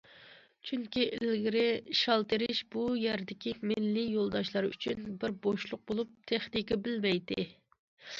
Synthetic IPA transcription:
t͡ʃʰyŋkʲiʔɪlɡʲiɾɪʃɑlˠt̪ɨɾɪʃbujæɾd̪ɪkʲʰimɪlːɪjolˠd̪ɑʃlˠɑɾy̰t͡ʃʰynbɪɾboʃlˠʊq̚bolˠup̚t̪ʰeχnikʲibɪlmɛjd̪ɪ

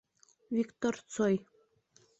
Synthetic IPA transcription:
vʲikt̪ort͡soj

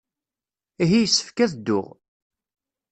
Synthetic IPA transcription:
iɦijsːə̥fkæðd̪ːʊ̰ʁ

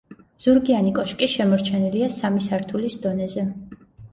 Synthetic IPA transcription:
z̥uɾɡianikʼɔʃkʼiʃɛmɔɾt͡ʃʰɛniliasamisaɾt̪ʰulisd̪ɔnɛzɛ

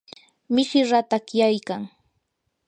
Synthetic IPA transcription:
mɪsɪɾat̪akjajkaŋ

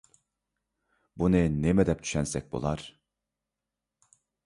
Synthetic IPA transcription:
bunɛnemɛd̪ɛp̚t̪ʰy̥ʃænsɛc̚bṵlˠaɾ̥

